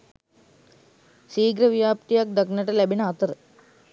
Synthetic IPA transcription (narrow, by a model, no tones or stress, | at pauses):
siːɡɾəʋijaːpt̪ijak̚d̪aknəʈəlæbinəat̪əɾə